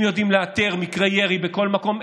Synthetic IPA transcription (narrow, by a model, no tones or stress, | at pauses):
jo̞d̪imleat̪eʁmikʁejeʁibeko̞lmako̞m